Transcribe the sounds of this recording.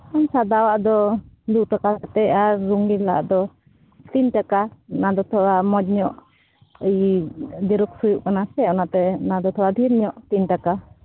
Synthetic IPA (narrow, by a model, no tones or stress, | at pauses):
ansad̪awaʔd̪ɔ | d̪uʔʈakaat̪ɛaɾːuŋɡila̰ʔd̪ɔ | t̪inʈakanad̪ɔt̪ʰɔamɔd͡ʒɲɔʔ | əjd̪iɾuk̚sujuʔkanasɛanat̪ɛnad̪ɔt̪ʰɔwad̪ʱiɾɲɔʔt̪inʈaka